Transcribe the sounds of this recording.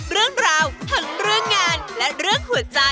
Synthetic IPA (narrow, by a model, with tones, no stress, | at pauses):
zɨ˧˥əŋzaː˨˧˩wt̪ʰə˨˩n̚zɨ˧əŋːaː˧˩nla̰ː˨˩ɾɨ˧˥əŋxu˧˩ənzaː˧˩